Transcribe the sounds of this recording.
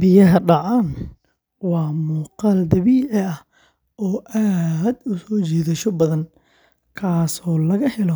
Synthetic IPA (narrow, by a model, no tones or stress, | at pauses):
bɪjɐɦɐɖɑʕaːn | wɑːmuːqɑːld̪ɐβiːʕɪɐh | ɔːʔaːd̪ʊsɔːt͡ʃiːðɐʃɔbɐðɐn | kʰaːsɔːlɐɣɐhɪlɔ